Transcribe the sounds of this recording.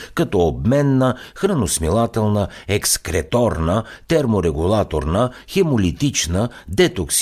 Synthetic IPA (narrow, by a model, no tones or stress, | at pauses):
kɐt̪ɔobmɛnːəxɾənosmilˠat̪ɛlˠnəɛkskɾɛt̪ɔɾnət̪ɛɾmoɾɛɡulˠat̪oɾnəxɛmolit̪it͡ʃnə | d̪ɛt̪oks